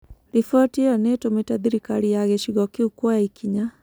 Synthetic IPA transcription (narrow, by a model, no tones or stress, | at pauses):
lifɔtiɔnetometaðiɾikaɾijaɣɛʃiɣɔkiukwaikʰiɲa